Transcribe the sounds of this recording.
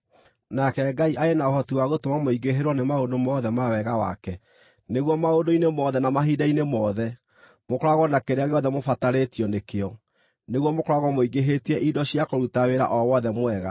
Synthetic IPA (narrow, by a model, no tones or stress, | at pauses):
nakɛɡaiʔaenaohɔtiwaɣotomamoiɡeɦeɾwɔnemaodomɔðɛmawɛɣawa̰kɛ | neɣwɔmaondoinemɔðɛnamaɦidainemɔðɛ | mokoɾaɣɔnakeɾeaɣeɔðɛmofataɾetiɔnekeɔ | neɣwɔmokoɾaɣɔmoiɡeɦetiɛʔidɔɕijakoɾutaweɾa̰ʔɔwɔðɛmwɛɣa̰